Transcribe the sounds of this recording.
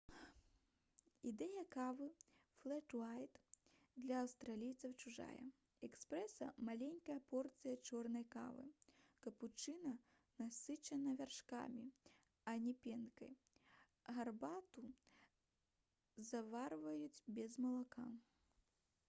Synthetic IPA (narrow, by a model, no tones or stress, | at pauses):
id̪ɛjɐkavɨflˠɛʂlajt̪ | d̪lʲɐɐwst̪ɾalʲijt̪sɐwt͡ʃuʐa̰jɐ̰ | ɛkspɾɛsɐ̰malʲenʲkɐjɐpɔrt̪sɨjɐt͡ʂɔrnɐjka̰vɨ̰kɐput͡ʂɨnɐ | nasɨt͡ʃɐnɐvʲarʂka̰mʲi | ɐnʲɛpʲɛnkɐ̰j | ɣarbat̪u | zavarvɐjut͡sʲbʲɛzmɐlˠaka